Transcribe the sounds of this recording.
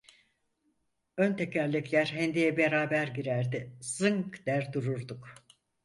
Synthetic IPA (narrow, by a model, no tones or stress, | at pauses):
ønt̪ʰɛcʰællʲːɛclʲæɾɦɛnd̪ijɛbeɾaːbæɾɟiɾæɾd̪ɪz̥ɯŋkd̪æɾd̪uɾuɾd̪uk